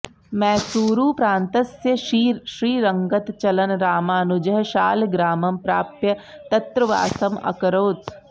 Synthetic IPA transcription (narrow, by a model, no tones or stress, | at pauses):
mɛ̃ːsuːɾuːpɾãːnt̪ɐsjəʃiʃɾiːɾɐŋɡət̪t͡ʃɐlɐnɾaːmaːnud͡ʒɐɦʃaːlɡɾaːmɐmpɾaːpjɐt̪ɐt̪ɾəʋa̰ːsɐmɐ̰kɾoːt̪